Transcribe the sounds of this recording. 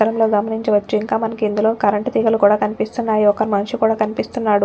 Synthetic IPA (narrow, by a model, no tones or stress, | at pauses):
ɐɾɐmlo̞ːɡɐmɐniɲt͡ʃiʋɐt͡ʃːuiŋkaːmɐnɐkiːnd̪ulo̞ːkɐɾɐɳʈt̪iɡɐlukuːɽaːkɐnipist̪unːaːjiɔkːɐɾimɐnʂukuːɽaːkɐnipist̪unːaːɽu